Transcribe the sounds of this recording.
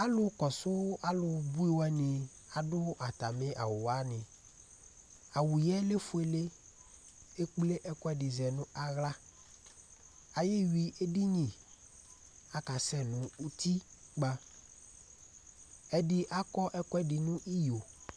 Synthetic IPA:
a˦lʊ˦kɔ˨sʊ˦a˦lʊ˨bu˦i˦wɛ˦nɪ̃˨ | a˨dʊ˦a˨t̪a˨mẽ˦ʔa̰˨wʊ˨a˦nɪ̃˨ | a˨wu˨jɛ˦le˦fʊ˨˦e˨le˦ | e˦k͡ple˦ʔɛ˦kɔ˦ɛ˦dɪ˨zɛ˨nʊ̃˦a˦ɣla˦ | a˨je˦wi˨ʔe˦di˦ɲĩ˨ | a˨ka˨sɛ˦nʊ̃˨u˦t̪i˦ | ɡ͡ba˦ | ɛ˦dɪ˦ʔa˦kɔ˦ʔɛ˦kɔ˦ɛ˦ɖɪ˨nũ˦ʔi˦jo˨

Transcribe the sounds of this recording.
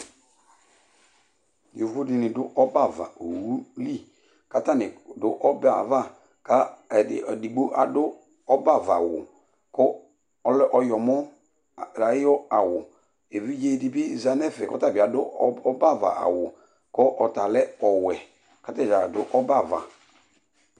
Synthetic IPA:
jo˨vo˦dɪ˨nɪ˨dʊ˦ʔɔ˦ba˦˨va̰˨o˨wu˦li˦˨ | ka˦ta˦nɪ˨dʊ˦ʔɔ˦ba̰˨va˦˨ | ka˦˨ | di˨ɡ͡bo˦ʔa˨dʊ˦ | ɔ˦ba˦˨va˨wʊ̰˨ | kɔ˦ | ɔ˦lɛ˦ʔɔ˦jɔ˨mɔ˦˨ | ɾa˨ɪ˦ɔ˦a˨wʊ˨ | e˨vi˦d͡ʒe˦di˨bɪ˦˨za˨nɛ˦˨fɛ˨kɔ̰˦ta˦˨bɪ˨a˨dʊ˦ɔ˦ba˦˨va̰˨a̰˨wʊ˨ | kɔ˦ʔɔ˨ta˨lɛ˦ɔ˨wɛ˨ | ka˦tɛ˦˨d͡ʒa˨dʊ˦ʔɔ˦ba˦˨va̰˨

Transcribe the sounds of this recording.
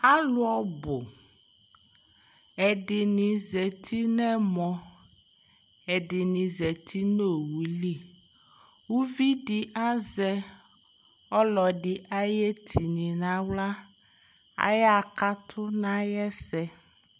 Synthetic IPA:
a˦lu˦ɔ˦bo˨ | ɛ˨ɖi˨nĩ˨zɛ˨t̪ʰi˦nɛ̃˦mɔ̃˨ | ɛ˨ɖi˨nĩ˨zɛ˨t̪ʰi˦no˦˨wu˨li˦˨ | wu˦vi˦ɖi˦ʔa˦zɛ˦ | ɔ˦lɔ˨ɖi˨ʔa˦jɛ˦t̪ʰi˨nĩ˨nã˦wla˦ | a̰˨jɛ˦a˨ka˦t̪ʰʊ˦nã˦jɛ˦sɛ˦

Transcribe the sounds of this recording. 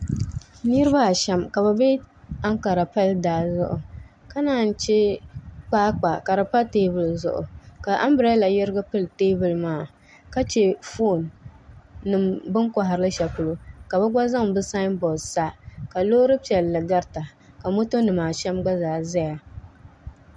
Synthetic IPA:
ni˦ɾɨ˦ba˦˨ʃɛ˦mka˨ba˨be˦ | a˦ŋka˨ɾa˨pa˦ldaː˨zʊ˦ʔʊ˨ | ka˦naː˦˨n̩˦t͡ʃɛ˦k͡paː˦k͡pa˨ka˨ɾa˨pa˦teː˦bʊ˨lzʊ̰˨ʔʊ̰˨ka˨ʔa̰˦mbɾa˦la˨jɛ˦ɾɨ˦ɡa˦pɨ˦lteː˦bʊ˨lmaː˦˨ | ka˦t͡ʃɛ˦˨fo˦˨nː | ɨ˨mbɨ˦ŋka˨ɦa˨ɾɨ˦lɨ˦ʃɛ˨pʊ˨lo˦ka˨ba˦ɡ͡ba˦za˦ŋbɨ˦sa˦ɪ˦nbɔ˨dsa˦ka˨loː˦ɾɨ˦pi˨ɛ˨lːɨ˨ɡa˦ɾta˨ | ka˨mo˦to˦nɨ˨maː˨ʃɛ˦mɡ͡ba˦zaː˨za˦ja˨

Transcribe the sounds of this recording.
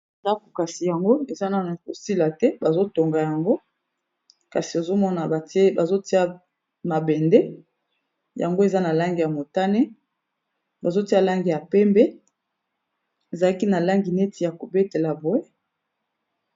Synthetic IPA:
e˨za˦ku˨ka˨si˨ja˨ŋɡo˦e˨za˦na˨ko˨si˦la˨tɛ˦ba˨zo˦to˨ŋɡa˨ja˨ŋɡo˦ | ka˨si˨o˨zo˦mɔ˦na˨ba˨te˦ba˨zo˦ti˦a˦ | ma˨bɛ˨ndɛ˦ | ja˨ŋɡo˦e˨za˦na˨la˦ŋɡi˨ja˨mo˨ta˦nɛ˦ | ba˨zo˦ti˦a˦la˦ŋɡi˨ja˨pɛ˦mbɛ˦ | e˨za˨la˦ki˦na˨la˦ŋɡi˨ne˦ti˨ja˨ko˨be˦te˨la˨bo˨e˦

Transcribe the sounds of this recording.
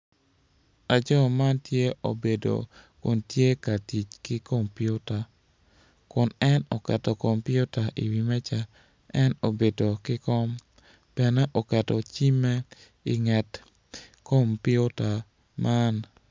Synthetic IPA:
a˨d͡ʒɔ˦ma˦ntje˦ʔo̰˨be˨do̰˨kʊ̰˨ntje˦ka˨ti˨t͡ʃkɪ˦ko˦mpi˦o˦ta˨ | kʊ˨nɛ˦nɔ˨kɛ˨tɔ˨ko˨mpɪ˦o˦ta˨ʔḭ˨wi˨mɛ˦t͡ʃa˦ | ɛ˦no˨be˨do˨kɪ˦kɔ˦m | pɛ˨nɛ˦ʔo˨kɛ˨tɔ˨t͡ʃi˦mɛ˦ | i˨ŋɛ˨t | ko˦˨mpɪ˦o˦ta˨ | mʔa˦n

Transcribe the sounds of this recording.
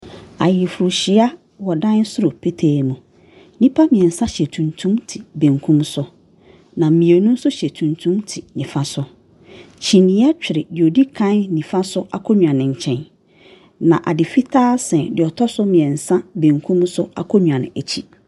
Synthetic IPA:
a˨jɪ˨fʊ˨ɾu˨ɕɪ˨˦a˦ | wɔ˨dã˦n˦sʊ˦ɾo˨pʰe˦tʰeː˨mũ˨ | nĩ˦pʰa˦mĩ˨ɛ̃˨n̩˨sã˦ɕɛ˨tʰũ˨ntʰũ˦mtʰi˨bẽ˨ŋkʰũ˦msʊ˦ | nã˨m̩˨mĩ˨e˨˦nũ˦n̩˦sʊ˦ɕɛ˨tʰũ˨ntʰũ˦mtʰi˨nĩ˨fa˦sʊ˦ | t͡ɕʰi˨nɪ̃˨˦a˦t͡ɕᶣɪ˨ɾɪ˨jo˨di˦kʰã˦n˦nĩ˨fa˦sʊ˦ʔa˦kʰɔ˦ɲᶣ˨ã˨nɪ̃˨ɲ̩˨t͡ɕʰɛ̃˨n | nã˨ʔa˨dɪ˨fi˦tʰaː˦sɛ̃˨dɪ˨ɔ˨tʰɔ˦sʊ˦mĩ˨ɛ̃˨n̩˨sã˦bẽ˨ŋkʰũ˦msʊ˦a˨kʰɔ˦ɲᶣ˨ã˨ñ˨æ˨t͡ɕʰi˦

